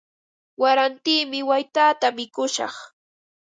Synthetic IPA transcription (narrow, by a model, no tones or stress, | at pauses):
waɾant̪iːmɪwajt̪aːt̪amɪkʊʃɑ̰χ